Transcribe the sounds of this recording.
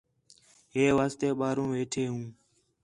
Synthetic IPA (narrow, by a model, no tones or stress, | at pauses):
ɦeːʋaːst̪eːɓaːɾũːʋeːʈʰeːɦũː